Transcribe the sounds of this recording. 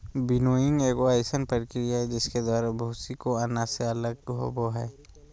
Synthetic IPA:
bɪnoːɪŋɡeːɡoaːjsənpəɾɪkɾijaɦɛd͡ʒɪsked̪aːɾabʱuːsikoanaseələɡ̚ɦo̰boɦɛː

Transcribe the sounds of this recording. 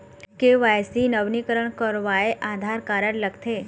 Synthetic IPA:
keʋajsinəʋnikəɾəɳkəɾʋaeʔad̪ʱaɾkaɾəɽləɡt̪ʰe

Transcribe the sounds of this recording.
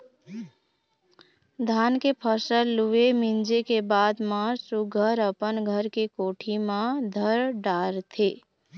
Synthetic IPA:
d̪ʱaːnkepʰəsəlːuemɪ̃nd͡ʒekebaːd̪maːɾsuɡʱəɾəpənɡʱəɾkekoːʈʰimãd̪ʱəɾɖaːɾt̪ʰeː

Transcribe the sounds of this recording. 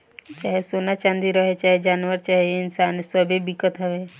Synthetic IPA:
t͡ʃaːɦesoːnat͡ʃãːnd̪iɾəɦet͡ʃaːɦed͡ʒaːnʋəɾt͡ʃaːɦeɪnsaːnsəbʱebɪkːət̪ɦəʋe

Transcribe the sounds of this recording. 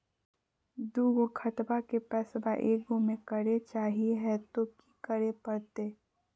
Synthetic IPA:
d̪uːɡokʰɐt̪bakepɛːsbaʔeːɡomẽkəɾet͡ʃaːɦieɦɛt̪okikəɾepɐɾt̪eː

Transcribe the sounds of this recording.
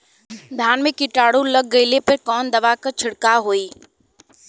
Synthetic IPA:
d̪ʱjaːnmẽkɪʈaːɽũlɐɡ̚ːɐɪlepɐɾkɔːnd̪ɐʋakɐt͡ʃʰɪɽkaɦoːiː

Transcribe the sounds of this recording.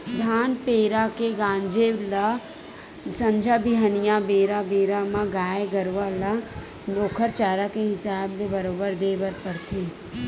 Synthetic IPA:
d̪ʱaːnpeːɾakeɡãːɲd͡ʒela | sɐ̃ɲd͡ʒʱabiɦənijabeːɾabeːɾamãɡaːjeɡəɾʋala | d̪oːkʰəɾt͡ʃaːɾakeɦɪsaːblebɐɾoːbəɾd̪eːʋəɾpɐɽt̪ʰeː

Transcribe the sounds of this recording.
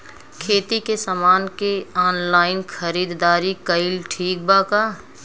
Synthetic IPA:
kʰeːt̪ikesamaːnkeɔːnlaːɪnxəɾiːd̪d̪aːɾikəɪlʈʰiːk̚baːkaː

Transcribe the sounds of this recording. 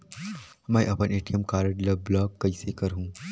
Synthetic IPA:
ɦmaːḭʔɐpəneːʈijəmkaːɾəɖlɐblɔːɡkɐisekɐɾɦũː

